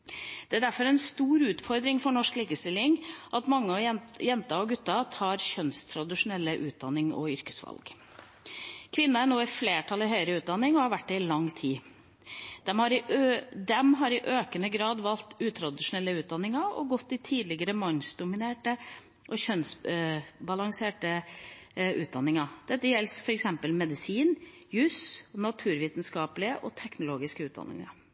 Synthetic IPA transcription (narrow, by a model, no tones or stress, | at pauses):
d̪̥ɛæɖ̪æɾfɔɾɛɪnst̪uːɾʉːt̪fɔɾd̪ɾɪŋfɔɳɔʂkliːkəst̪ɪlːɪŋʔɑt̪mɑŋːəɔjɛnt̪ɑɔɡʉt̪ːɑt̪ʰɑːɾçœnst̪ʰɾɑd̪ɪʂʊnɛlːəʔʉːt̪̚d̪ɑnːɪŋɔ̰ʏɾkə̥sʋɑ̰lɡ | kʰʋɪnːɑæɳoːɪfleːʈʰɑlɪɦœʏəɾəʉːt̪̚d̪ɑnːɪŋɔhɑɾʋæʈ̚ːɛɪlɑŋːt̪ʰiː | d̪̥ɛmhɑɾɪʔd̪ɛmɦɑɾɪʔøːkənəɡɾɑːd̪ʋɑlt̪ʉːt̪ʰɾɑd̪ɪʂʊnɛlːəʉːt̪̚d̪ɑnːɪŋɑɾɔ̰ɡɔt̪ːɪt̪ʰiːd̪lɪɡəɾəmɑnsd̪ʊmɪneːʈə | ʔɔɕœns | bɑlɑŋseːʈə | ʔʉːt̪̚d̪ɑnːɪŋɑd̪̥ɛt̪ːəjɛlsfɔɾɛksɛmpəlmɛd̪ɪsiːn | jʉːsnɑt̪ʰʉːɾʋiːt̪n̩skɑːpəlɪəʔɔt̪ʰɛknʊloːɡɪskəʉːt̪̚d̪ɑ̰nːɪ̰ŋɑ̰ɾ